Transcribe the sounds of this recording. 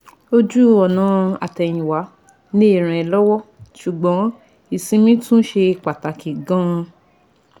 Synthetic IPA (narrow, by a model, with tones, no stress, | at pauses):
o˧d͡ʒu˦ɔ˨nã˨˦a̰˨tɛ˨j̃ĩ˨wa˨˦ | nĩ˦e˦˨ɾ̃ɛ̃˨ɛ˨lɔ˦wɔ˦ʃu˨ɡ͡bɔ̃˨˦ | i˨sĩ˧mĩ˦tũ˦ʃe˧˨k͡pa˨ta˨ki˨ɡã˦˧